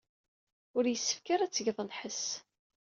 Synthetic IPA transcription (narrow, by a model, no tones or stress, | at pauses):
ʊɾjəsːə̥fkaɾæt͡sːəʝðˤənħəs